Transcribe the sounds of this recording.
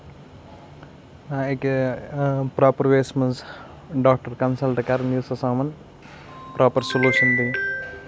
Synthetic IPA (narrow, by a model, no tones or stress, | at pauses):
aeke | pɾaːpɐɾʋeːsmɐns | ɖaːk̚ʈɐɾkɐnsɐlʈkɐɾnusɐsãːmɐn | pɾaːpɐɾsoluːʃɐnd̪i